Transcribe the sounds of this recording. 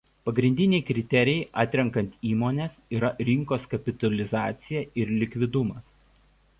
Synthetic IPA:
pɐɡɾʲɪnʲd̪ʲɪnʲɛɪkɾʲɪt̪ʲɛɾʲɪjɛɪʔɑːt̪ʲɾʲɛŋkɐnʲt̪ʲiːmoːnʲeːsiːɾɐɾʲɪŋˑkoːskɐpʲɪt̪ɐlʲɪzɑːt̪sʲɪjɛɪɾlʲɪkʲʋʲɪd̪ʊmɐs

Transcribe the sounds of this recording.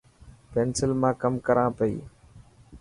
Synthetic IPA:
peːnsɪlmãːkəmkəɾãːpəḭː

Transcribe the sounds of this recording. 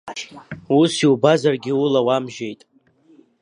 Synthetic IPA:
usiwbazarɡʲɪulawamʒe̞jtʼ

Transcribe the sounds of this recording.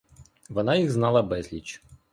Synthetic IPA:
ʋɔnɑjiɣznɑlˠɐbɛzʲlʲit͡ʃ

